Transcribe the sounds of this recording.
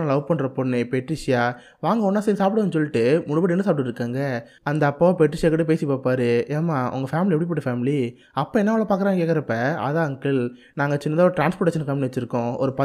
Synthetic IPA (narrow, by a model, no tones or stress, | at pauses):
alɐʋppɐɳːɾɐpɔɳːipɛʈːɾɪʂɪjaː | ʋaːŋɡɐɔnːaːsɛjsaːp̬ɪɽɐnːɯsɔlːɪʈːɯmʊɽɯbɐɽɪnːɐsaːpɪʈːɯʈːɾɯkːaːŋɡɐ | ɐnd̪ɐːpːoːpɛʈɾɪʂɪjaːkɐʈːɯp̬eːsipaːpaːɾɯeːmːaːʔʊ̰ŋɡɐfaːmɪliɛpːɽipoːʈːɯfaːmɪli | ɐpːɐ̃ːɛnːɐːʋɐɭɐpaːɾk̬ɐɾaːŋɡɐkeːkːɐɾɐpːɛ̃ɐ̰ðãːŋɡkɪl | naːŋɡɐt͡ʃɪnːɐd̪aːɾɯʈɾaːnspoːʈeːʃɐnkɐmbɪnɐt͡ʃːɪɾɯkːʊ̃ɔ̰ɾɯpɐ